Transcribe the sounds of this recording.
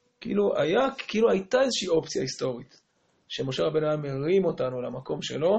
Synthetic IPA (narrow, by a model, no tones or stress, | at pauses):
kiʔḭlua̰jakiiluajt̪ae̞zeʃiiːo̞pt͡sijahist̪o̞ʁit̪ | ʃemo̞ʃe̞ʁabe̞naameʁimo̞tanulamako̞mʃe̞̰lo̞